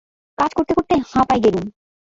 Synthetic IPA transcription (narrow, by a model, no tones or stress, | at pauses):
kad͡ʑkoɾt̪ekoɾt̪ehãpajɡelum